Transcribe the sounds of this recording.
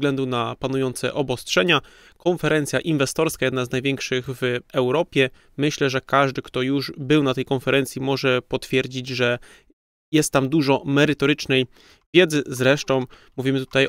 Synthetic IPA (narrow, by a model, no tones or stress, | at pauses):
ɡlɛnd̪unapanujɔnt̪sɛ̰ʔɔbɔstʂɛɲa | kɔnfɛɾɛnt̪sʲjaʔinvɛst̪ɔɾskajɛd̪naznajvʲjɛŋkʂɘɣvɛwɾɔpʲjɛ | mɘɕlɛʐɛkaʐd̪ɘkt̪ɔjuʐbɘwnat̪ɛjkɔnfɛɾɛnt̪sʲjimɔʐɛpɔt̪fʲjɛɾd͡ʑid͡ʑʐɛ | jɛst̪ːamd̪uʐɔmɛɾɘt̪ɔɾɘt͡ʂnɛj | vʲjɛd̪zɘzɾɛʂt̪ɔ̃w̃muvʲimɘt̪u̥t̪aj